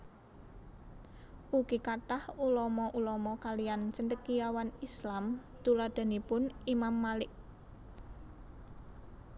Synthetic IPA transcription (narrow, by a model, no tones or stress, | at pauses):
ʔukikaʈahulɔmɔʔulɔmɔkalijant͡ʃəɳdəkijawanislam | t̪ulad̪̥a̤nipʊnimamːalɪʔ